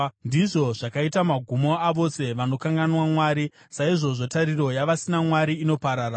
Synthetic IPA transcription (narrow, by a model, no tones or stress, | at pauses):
ndiʐo̞ʐakaitamaɡʱumo̞aʋo̞se̞ʋano̞kaŋɡanwamwaːɾi | saiʐo̞ʐotaɾiɾo̞jaʋasinamwaɾiːno̞paɾaːɾa